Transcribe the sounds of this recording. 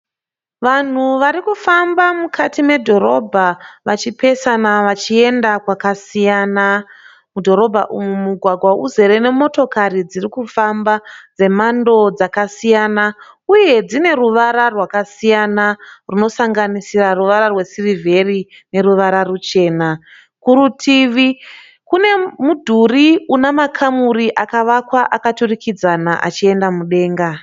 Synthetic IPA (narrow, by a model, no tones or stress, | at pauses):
ʋan̤uʋaɾikufambamukʰatime̞dʱo̞ɾo̞bʱaʋat͡ʃipe̞sanaʋat͡ʃie̞ndakwakasijaːna | mudʱo̞ɾo̞bʱa̰ʔumumuɡʱwaɡʱwauze̞ɾe̞ne̞mo̞to̞kaɾid͡zirikufambad͡ze̞mando̞d͡zakasijaːna | uje̞d͡zine̞ruʋaɾarwakasijanaruno̞saŋɡanisiraruʋaɾarwe̞sirivʱe̞ri | ne̞ɾuʋaɾarut͡ʃe̞ːna | kuɾutʰiʋi | kune̞mudʱuriunamakʰamuɾiʔakaʋakwaʔakaturikid͡zanaʔa̰t͡ʃie̞ndamuɗe̞ːŋɡa